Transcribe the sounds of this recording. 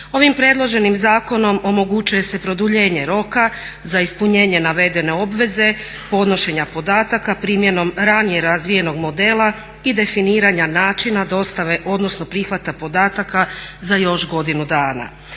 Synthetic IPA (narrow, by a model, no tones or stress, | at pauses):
o̞ʋimpɾe̞ːd̪lˠo̞ʒe̞nimzaːko̞no̞mo̞mo̞ɡut͡ɕuje̞se̞pɾo̞d̪uʎe̞ːɲe̞ɾo̞ka | zaispuɲe̞ːɲe̞naʋe̞d̪e̞ne̞o̞bʋe̞ze̞ | po̞d̪no̞ʃe̞ɲapo̞d̪aːt̪akapɾiːmje̞no̞mɾanije̞ɾazʋije̞no̞ɡmo̞d̪e̞ːlˠa | id̪e̞finiːɾaɲanaːt͡ʃinad̪o̞st̪aʋe̞ʔo̞d̪no̞sno̞pɾixʋat̪apo̞d̪aːt̪akazajo̞ʃɡo̞d̪inud̪aːna̰